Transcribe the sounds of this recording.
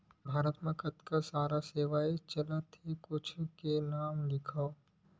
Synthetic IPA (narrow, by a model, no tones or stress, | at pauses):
bʱaːɾət̪mẽkɐt̪kasaːɾaseːʋaːet͡ʃɐlat̪ʰekʊt͡ʃʰkenaːmlɪkʰao